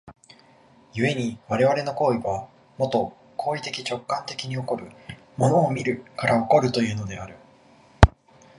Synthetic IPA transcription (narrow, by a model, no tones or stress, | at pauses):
jɯ̟e̞ɲ̟iβaɾe̞β̞aɾe̞no̞ko̞ːiβa | mo̞t̪o̞ | kʰo̞ːit̪e̞kʲit͡ɕo̞kːãnt̪e̞kʲiɲ̟io̞ko̞ɾɯ̟ | mo̞no̞ːmʲiɾɯ̟kaɾao̞ko̞ɾɯ̟t̪o̞jɯ̟ːno̞d̪e̞aɾɯ̟